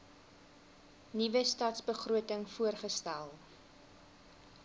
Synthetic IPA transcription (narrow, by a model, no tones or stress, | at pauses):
nivəstɐtsbəχruətəŋfuərχəstælˠ